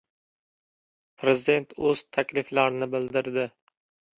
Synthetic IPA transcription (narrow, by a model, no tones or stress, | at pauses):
pʰɾe̞zɪd̪e̞nt̪ʰɵz̥t̪ʰakʲlɪflaɾɪnɪbɪld̪ɪɾd̪ɪ